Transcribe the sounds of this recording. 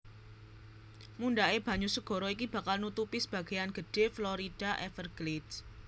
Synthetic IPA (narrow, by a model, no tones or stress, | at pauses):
mundaeb̥ä̤ɲusəɡ̥ɔ̤ɾɔik̬ib̥a̤kalnut̪upisə̥b̥ä̤ɡ̥a̤janɡ̥əɖ̥e̤flɔɾid̥aʔɛfərɡ̥leds